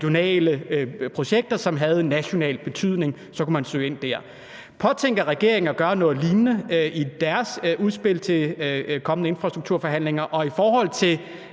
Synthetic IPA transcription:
jo̝nɛ̰ːləpʰʁo̝ɕeɡ̥̚d̥ɐsɒ̽mɦæð̞ˠnæɕo̝nɛ̰ːlb̥e̝t͡sʰyð̰ˠne̝ŋ | sɒ̽kumænsø̰ːe̝n̰d̥æɐ̰ | pʰɒ̽t͡sʰeŋ̰ɡ̥ɐʁɛɡ̥e̝ɐ̰e̝ŋɐɡ̥ɶːɐnɔ̽ːð̩ˠliːnnəʔid̥æɐsuðˠsb̥e̝l̰t͡sʰe̝kʰɒ̽mənəe̝nfʁɑ̈sd̥ʁuɡ̥̚t͡sʰuɐ̰fɒɦæn̰leŋɐʔɒ̽ifɒːɦɒ̽l̰t͡sʰe̝l

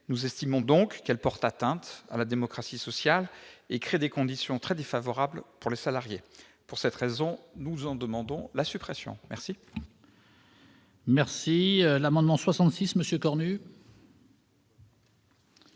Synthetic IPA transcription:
nuzɛst̪imɔ̃d̪ɔ̃kːɛlpɔʁt̪at̪ɛ̃t̪a̰lad̪emɔkχasisɔsjalekχed̪ekɔ̃d̪isjɔ̃t̪χɛd̪efavɔʁablpuʁlesalaʁjepuʁsɛt̪χezɔ̃nuzɑ̃d̪əmɑ̃d̪ɔ̃lasypχesjɔ̰̃mɛʁsi | mɛʁsiølamɑ̃d̪mɑ̃swasɑ̃t̪sisməsjøkɔʁny

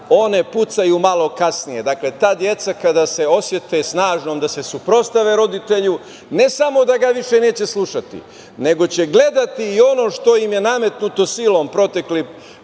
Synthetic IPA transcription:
o̞ne̞put̪sajumalˠo̞kasnije̞d̪akle̞t̪aːd̪je̞t̪sakad̪aːse̞o̞sje̞t̪esnaːʒnomd̪ase̞supɾo̞st̪aʋeɾo̞d̪it̪e̞ʎu | ne̞samo̞d̪aɡaʋiʃe̞ne̞ːt͡ɕe̞slˠuʃat̪ḭ | ne̞ɡo̞t͡ɕe̞ɡle̞d̪at̪iːo̞no̞ʃt̪o̞jimje̞name̞t̪nut̪o̞silˠo̞ːmpɾo̞t̪e̞kli

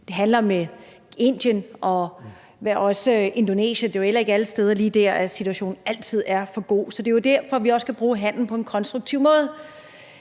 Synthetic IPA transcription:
d̥e̝ɦænlɐme | e̝n̰d̥jənʔɒ̽ | ʋæɒ̽səe̝nd̥one̝̰ːɕəd̥e̝jel̰ɐe̝ɡ̥æləsd̥eːð̞ˠɐliːd̥æɐ̰æsit͡sʰuæɕo̝̰ːnn̩æl̰t͡sʰið̞̰ˠæɐfɒ̽ɡ̥o̝̰ːsɒ̽d̥e̝jo̝d̥æɐ̰fɒ̽ʋiɒ̽sə̥kʰæb̥ʁuːɦæn̰ln̩pʰɒ̽e̝nkʰɒ̽nsd̥ʁuɡ̥t͡sʰiʊ̰mɔ̽ːð̞ˠ

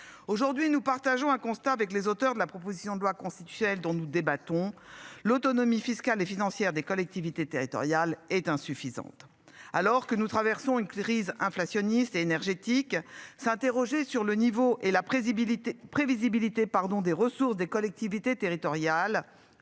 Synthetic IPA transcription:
oʒuʁd̪ɥinupaʁt̪aʒɔ̃ɛ̃kɔ̃st̪aːvɛklezot̪œʁd̪əlapχɔpozisjɔ̃d̪əlwakɔ̃st̪i̥t̪y̥sjɔnɛld̪ɔ̃nud̪ebat̪ɔ̃lot̪ɔnɔmifiskalefinɑ̃sjɛʁd̪ekɔlɛk̚t̪ivit̪et̪eʁit̪ɔ̰ʁjalɛt̪ɛ̃syfizɑ̰̃t̪ | alɔʁkənut̪χavɛʁsɔ̃ynkχizɛ̃flasjɔnist̪eːnɛʁʒet̪iksɛ̃t̪eʁɔʒesyʁlənivoʔela | pχevizibilit̪epaʁd̪ɔ̃d̪eʁəsuʁsd̪ekɔlɛk̚t̪ivit̪et̪eʁit̪ɔʁjal

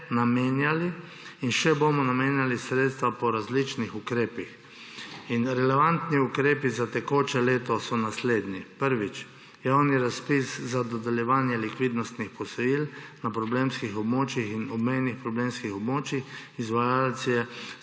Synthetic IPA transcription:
nameːnjaliː | nʃɛbomɔnameːnjalisɾeːt̪st̪ʋapɔɾazlit͡ʃnixukɾeːpix | inɾɛlɛʋant̪niukɾeːpizat̪ɛkoːt͡ʃɛleːt̪ɔsɔnasleːd̪nipəɾʋit͡ʃ | jawniɾaspiszad̪ɔd̪ɛljɛʋaːnjɛlikʋid̪nɔst̪nixpɔsɔjilnapɾɔbleːmskixɔbmoːt͡ʃjixinɔbmejnixpɾɔbleːmskixɔbmoːt͡ʃjixizʋajalsijɛ

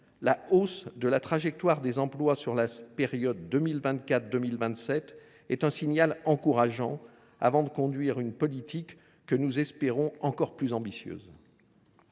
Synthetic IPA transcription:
laosd̪əlat̪χaʒɛk̚t̪waʁd̪ezɑ̃plwasyʁlapeʁjɔd̪ːømilvɛ̃nt̪kat̪d̪ømilvɛ̃t̪sɛt̪ | ɛt̪ɛ̃siɲalɑ̃kuʁaʒɑ̰̃ | a̰vɑ̃d̪əkɔ̃d̪ɥiʁynpɔlit̪ikː | ənuzɛspeʁɔ̃ɑ̃kɔʁplyzɑ̃bisjø̰ːz

